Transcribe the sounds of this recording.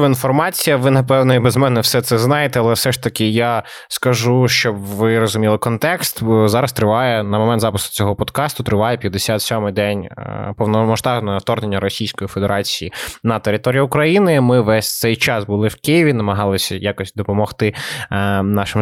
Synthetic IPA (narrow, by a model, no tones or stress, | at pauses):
ʋɐinfɔrmɑt͡sʲijɐʋɪnɐpɛwnɔibɛzmɛnɛwsɛt̪sɛznɑjet̪ɛɐlˠɛfsɛʂt̪ɐkɪja | skɐʒuʃt͡ʃɔbʋɪɾɔzʊmʲilˠɪkɔnt̪ɛkst̪zɑɾɐst̪ɾɪʋɑjɛnɐmɔmɛnt̪zɑpɪskʊ̥t͡sʲɔɦɔpɔd̪kɑst̪ʊt̪ɾɪʋɑjɛpʲjɐd̪ːesʲat̪sʲɔmɪd̪ɛn̰ʲpɔwnɔmɔʃt̪ɑʒnɔjɔwt̪ɔrnenʲːɐɾɔsʲijsʲkɔjifed̪eɾɑt͡sʲijinɐt̪eɾɪt̪ɔɾʲijiʊkɾɐjinɪmɪʋɛsʲt̪ɛjt͡ʃɑsbʊlˠɪwkɪjɪʋʲinɐmɐɦɑlˠɪsʲɐjakɔsʲtʲd̪ɔpɔmɔxt̪ɪ | nɑʃɪm